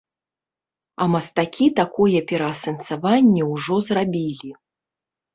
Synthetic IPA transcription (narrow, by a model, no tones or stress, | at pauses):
ɐmɐst̪akʲit̪akɔjɛpʲɛɾɐːsɐnsavanʲːɛwʐɔzrabʲilʲi